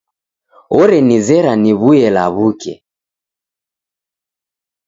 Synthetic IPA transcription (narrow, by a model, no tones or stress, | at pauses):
ɔɾɛnizɛɾaniβuɛla̰βukɛ̰